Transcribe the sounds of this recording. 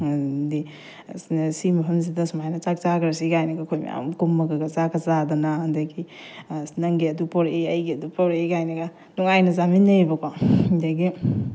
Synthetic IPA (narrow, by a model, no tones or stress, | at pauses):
di | simɐɦɐmzidɐsmajnɐt͡ʃak̚t͡ʃaɡɾɐsiɡajnɐɡakʰojmḭa̰mkumːɐɡɐɡɐzakɐzadɐnadɐɡi | nɐŋɡiɐdupoɾeɐjɡiɐdupoɾejɡajnɐɡa | nuŋajnɐzaminːɐbɐkʰwadaɡi